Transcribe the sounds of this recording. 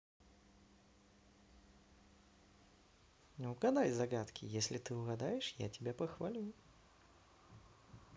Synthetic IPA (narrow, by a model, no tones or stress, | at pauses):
ʊɡad̪ajʲzaɡat̪kʲʰɪ̰jesʲlʲɪt̪ɨʊɣad̪ajɪʂja̰tʲɪbʲapəxvalʲu